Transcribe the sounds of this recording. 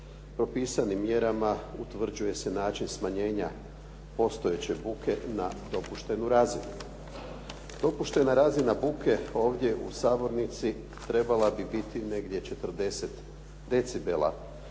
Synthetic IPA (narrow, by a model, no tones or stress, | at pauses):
pɾo̞piːsanimːje̞ɾamaut̪ʋr̩d͡ʑuje̞se̞naːt͡ʃinsmaɲe̞ːɲa | po̞st̪o̞et͡ɕe̞bukʰe̞nad̪o̞puʃt̪e̞nuɾazinu | d̪̥o̞puʃt̪e̞naɾazinabukʰe̞o̞ːʋd̪ʲje̞ʔṵsaːbo̞ɾnit̪si | t̪ɾe̞balabibit̪ine̞ɡd̪ʲje̞t͡ʃe̞t̪r̩d̪e̞se̞t̪ | d̪e̞t̪sibelˠa̰